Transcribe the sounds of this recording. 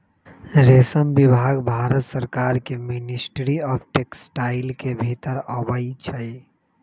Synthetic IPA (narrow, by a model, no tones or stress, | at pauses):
ɾesəmbibʱaɡbʱaɾət̪səɾkaɾkeminisʈɾiɔpʰʈeksʈaɪlkebʱit̪əɾəbəit͡ʃʰəj